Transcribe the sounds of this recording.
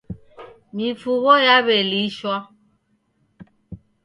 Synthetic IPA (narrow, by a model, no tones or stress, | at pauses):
mifuɣɔjaβeliʃwa